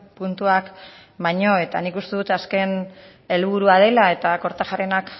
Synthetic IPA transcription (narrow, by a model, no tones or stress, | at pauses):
punt̪uak | βajɲo̞e̞t̪anikust̪e̞ðut̪aske̞n | e̞lβuɾuað̞e̞lae̞t̪ako̞ɾt̪aʝarenak